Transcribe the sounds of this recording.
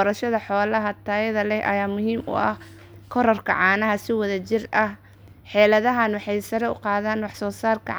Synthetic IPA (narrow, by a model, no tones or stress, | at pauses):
ɔɾɐʃɐðɐħɔːlɐɦɐt̪ʰaːjɐðɐlɛhʔɐ̰jaːmʊɦiːmʔʊ̰ʔɐh | kʰɔɾɔrkʰɐ̰ʕɑːnɐɦɐsɪwɐðɐt͡ʃɪrɐh | ħɛːlɐðɐɦɐnwɑħɑjsɐɾɛʊ̰qɑːðaːnwɑħsɔːsaːrkʰɐ̰